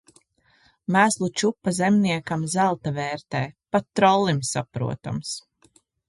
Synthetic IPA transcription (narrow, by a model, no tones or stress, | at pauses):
mæːzlˠut͡ʃupːazɛmniɛkamzælˠt̪avɛːɾt̪ɛːpat̪ːɾɔlˠːimsapɾṵɔt̪a̰ms